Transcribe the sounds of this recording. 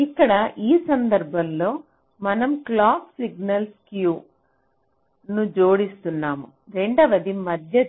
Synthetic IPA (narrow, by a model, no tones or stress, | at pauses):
ikːɐɽɐʔiːsɐnd̪ɐɾbʱɐmlo̞ː | mɐnɐmklaːpsiɡnɐlskjuː | nud͡ʒoːɽist̪unːaːmu | ɾe̞ɳɖɐʋɐd̪imɐd̪ʱjɐ